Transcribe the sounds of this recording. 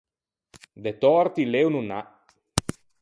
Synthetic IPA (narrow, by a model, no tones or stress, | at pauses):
d̪et̪ɔɾt̪ilewnuna